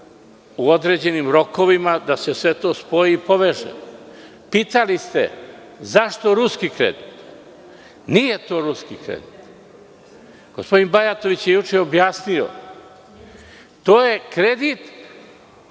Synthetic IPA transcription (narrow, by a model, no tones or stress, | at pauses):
uod̪ɾe̞d͡ʑe̞nimɾo̞ko̞ʋimad̪ase̞sʋe̞t̪o̞ːspo̞iːpo̞ʋeʒḛ | pit̪alist̪ḛ | zaʃt̪oɾuskikɾḛd̪it̪ | nije̞t̪o̞ːɾuskikɾḛd̪it̪ | ɡ̥ospo̞d̪inbajat̪o̞ʋit͡ɕjejut͡ʃejobjaːsnio̰ | t̪oːje̞kɾe̞d̪it̪